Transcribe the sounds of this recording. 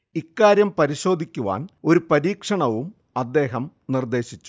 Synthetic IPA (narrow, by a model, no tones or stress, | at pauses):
ikːaːɾjɐmpɐɾiɕo̞ːd̪ʱikʲːuʋa̰ːno̞ɾupɐɾiːkʂɐɳɐʋum | ɐd̪ːe̞ːɦɐm | nird̪e̞ːɕit͡ɕːu̥